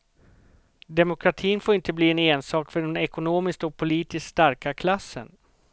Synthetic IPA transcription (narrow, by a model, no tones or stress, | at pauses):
d̪ɛmʊkʰɾat̪ʰiːnfoːɪnt̪əbliːɛneːnsɑːkfœɖɛnɛkʊnoːmɪskt̪ɔk̚pʰʊliːt̪ɪskst̪aɾkakʰlasːə̰n